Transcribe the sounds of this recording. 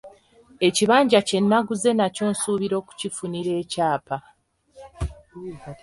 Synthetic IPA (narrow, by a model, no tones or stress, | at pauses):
e̞ciβaːɲɟace̞nːaɡuze̞naco̞ːnsuːβiɾo̞ːku̥cifuniɾe̞ːcaːpa